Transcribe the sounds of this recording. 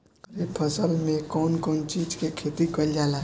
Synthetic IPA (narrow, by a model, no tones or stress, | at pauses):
kɾipʰəsəlmẽkɔːnkɔːnt͡ʃiːd͡ʒkekʰeːt̪ikəljaːla